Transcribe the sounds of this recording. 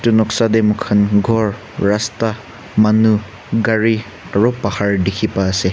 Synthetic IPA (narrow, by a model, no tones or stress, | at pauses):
tunɔksademukʰanɡʱɔɾː | asta | manu | ɡaɾi | aɾupahaɹdikʰipaːse